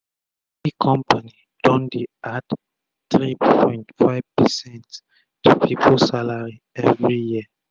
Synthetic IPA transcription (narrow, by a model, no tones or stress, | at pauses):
ikʰɔ̃mpani | d̥ɔ̃ndiʔad | tɹipɔ̃j̃ntfaɪv̥pɛsɛ̃nt | tʰupʰipʰolsalaɹi | ɛvɹijiə